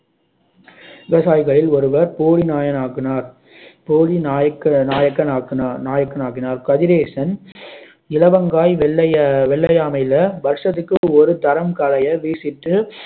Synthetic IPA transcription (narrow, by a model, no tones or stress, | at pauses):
ʋɪʋɐsaːjɣɐɭɪlɔɾɯʋɐɾpoːɽinaːjɐnaːɣɪnaːɾ | poːɽinːjɐkɐnaːjɐkːɐnːnaːjɐkːɐnaːɣɪnaːɾkɐðɪɾeːsɐn | ɪlɐʋɐŋɡaːjʋɛɐʋɛɭːɐjaːmɐɪlɐbɐɾʂɐt̪ɯkːɯɔɾɯt̪ɐɾɐmkɐlɐjɐʋiːsɪʈːɯ